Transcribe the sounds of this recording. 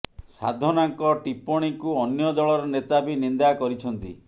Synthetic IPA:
sa̰d̪ʱɔnaŋkɔʈipɔɽ̃ikuɔnjɔd̪ɔɭɔɾɔnet̪abinind̪akɔɾit͡ʃʰɔnt̪ḭ

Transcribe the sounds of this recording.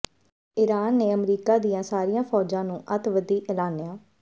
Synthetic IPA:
ɪɾaːnːeːəmɾiːkaːd̪ɪjãːsaːɾiːjãːpʰɔːd͡ʒãːnũːʔət̪ʋəd̪iːʔlaːnɪjaː

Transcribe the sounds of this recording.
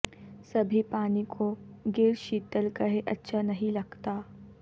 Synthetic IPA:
sɐbʱipaːnikʰoɡeːɾʃiːt̪əlkɐɦeʔɐtːʃʰanɐɦĩlɐɡt̪aː

